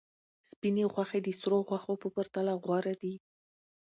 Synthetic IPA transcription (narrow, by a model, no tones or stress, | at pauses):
spineɣwaxed̪əsɾoɣwaxopəpaɾt̪alaɣwaɾad̪i